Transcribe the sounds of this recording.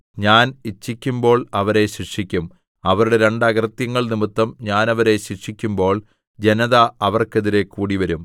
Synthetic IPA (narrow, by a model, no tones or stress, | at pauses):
ɲaːnit͡ɕːikʲːumbo̞ːɭɐʋɐɾe̞ɕiʂikʲːum | ɐʋɐɾuɽe̞ɾe̞ɳɖɐɣɐrt̪jɐŋːɐɭnimɨt̪ːɐmɲaːnɐʋɐɾe̞ɕikʂikʲːumbo̞ːɭ | d͡ʑe̞nɐðaɐʋɐrke̞ðiɾe̞kːuːɽiʋɐɾum